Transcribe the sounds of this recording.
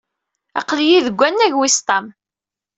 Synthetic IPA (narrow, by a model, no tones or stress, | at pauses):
ɑ̰qljiðəɡʷːænːæʝwist̪ˤɑm